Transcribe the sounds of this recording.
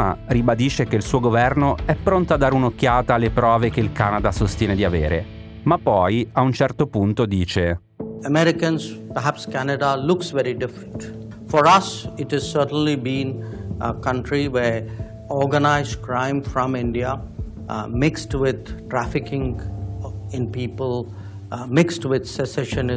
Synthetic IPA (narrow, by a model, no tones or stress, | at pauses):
a̰ribad̪iːʃekeilsuːoɡovɛrnoɛpːɾont̪oad̪ːaːɾeunokːjaːt̪alepɾɔːvekeilkaːnad̪asost̪jɛːned̪iavḛːɾʔḛ | mapːɔjaunt͡ʃɛrt̪opunt̪od̪iːt͡ʃe | əmɛɾɪkə̃nspəɾɦæpskænəɖalʊksʋɛɾiɖɪfɾə̃nʈ | fɔɾʌsɪʈhɛzsəʈə̃n̩libĩːnʔəkʌ̃ɳʈɾiʋe | ɔɡənaɪzɖkɾãɪ̃mfɾɔ̃mɪ̃ɳɖia | mɪksʈʋɪd̪̚ʈɾæfɪkɪ̃ŋ | ɪ̃npiːpəl | mɪksʈʋɪd̪sɛsɛʃənɪ